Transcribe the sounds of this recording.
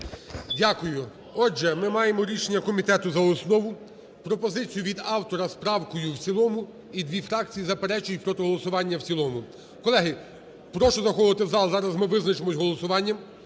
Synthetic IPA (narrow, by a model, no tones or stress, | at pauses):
dʲakʊjʊ | ɔd͡ʒʒɛmɪmɑjemɔɾʲiʃenʲːɐkɔmʲit̪ɛt̪ʊzɐɔsnɔʋʊ | pɾɔpɔzɪt͡sʲijʊʋʲid̪ɑwt̪ɔɾɐspɾɑwkɔjʊwt͡sʲilˠɔmʊ | id̪ʲʋʲifɾɑk̚t͡sʲijizɐpeɾɛt͡ʃʊjʊtʲpɾɔt̪ɛɦɔlˠɔsʊʋɑnʲːɐwt͡sʲilˠɔmʊ | kɔlˠɛɦɪ | pɾɔʃɔzɐxɔʋˠɪt̪ɪzɑlˠzɑɾɐzmɪʋɪznɐt͡ʃemɔsʲɦɔlˠɔsʊʋɑnʲːɐm